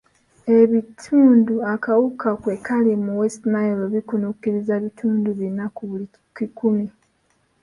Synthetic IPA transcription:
e̞βitʰuːnduakawukakwekalimuwestnaeɾoβikunukiɾizaβitʰuːnduβinakuβuli | kikumi

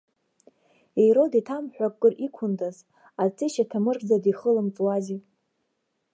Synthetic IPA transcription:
ejɾoditʰamħʷᶣakkʼːɨrʔikʷʰʊndaz | at͡sʼiʃatʰamɨrkʼd͡zadiχəlɨmt͡sʼwazi

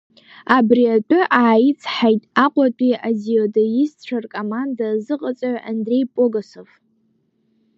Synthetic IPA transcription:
abriatʷʼʊʔaːjit͡sʼʰħajtʼaqʷʼatʷʼiʔaziodojist͡ɕʷʰarkʼomandazɨqʼat͡sʷʼaʕʔandre̞jpʼoɡasov

